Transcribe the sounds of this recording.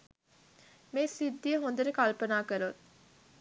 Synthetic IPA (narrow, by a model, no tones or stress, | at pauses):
meːsid̪ːijəɦond̪ɐɾəkalpənaːkəɾut̪̚